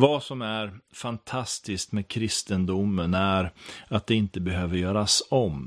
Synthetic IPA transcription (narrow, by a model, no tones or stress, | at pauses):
vasɔmæɾfant̪ʰast̪ɪskt̪meːd̪̚kʰɾɪst̪ənd̪ʊmːənæɾat̪̚d̪ɛɪnt̪əbɛɦøːvəɾjœːɾasɔm